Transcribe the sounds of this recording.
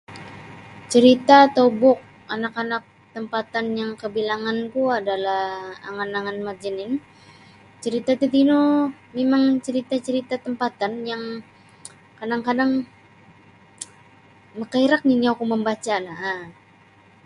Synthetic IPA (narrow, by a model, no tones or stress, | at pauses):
t͡ʃəɾit̪at̪obɔk̚ | anakanak̚t̪əmpat̪anjaŋkəbilaŋankuadalaha̰ŋanaŋanmard͡ʒənɪn | t͡ʃəɾit̪at̪it̪inomemaŋt͡ʃəɾit̪at͡ʃəɾit̪at̪əmpat̪anjaŋ | kadaŋkadaŋ | məkaiɾak̚niniakuməmbat͡ʃalaha